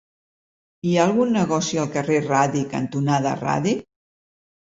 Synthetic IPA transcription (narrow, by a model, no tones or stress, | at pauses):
iaəlˠɣunːəɣɔsiəlˠkəreraðikənt̪unaðəra̰ði